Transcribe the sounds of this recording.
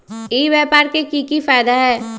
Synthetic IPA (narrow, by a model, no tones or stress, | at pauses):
iːʋjɛːpaːɾkekikifaːd̪aɦɛː